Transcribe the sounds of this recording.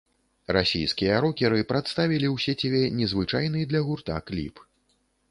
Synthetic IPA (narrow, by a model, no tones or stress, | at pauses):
rasʲḭjskʲijɐɾɔkʲɛɾɨpɾat̪st̪avʲilʲiwsʲɛt͡sʲabʲɛnʲɛzvɨt͡ʂajnɨd̪lʲɐɣurt̪a̰klʲḭp